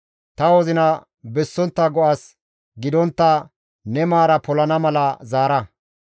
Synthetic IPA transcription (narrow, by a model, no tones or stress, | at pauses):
t̪ɐwɔzɪnɐ | bɛsːɔnt̪ːɐɡɔʔas | ɡɪd̪ɔnt̪ːɐ | nɛmaːɾɐpɔlɐnɐmɐlɐzaːɾɐ